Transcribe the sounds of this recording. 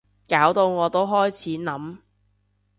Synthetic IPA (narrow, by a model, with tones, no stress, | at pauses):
kaː˨˥wt̪o˧wŋɔː˨˧t̪o˥wɦɔː˥jt͡sʰiː˨˥nɐ˨˥m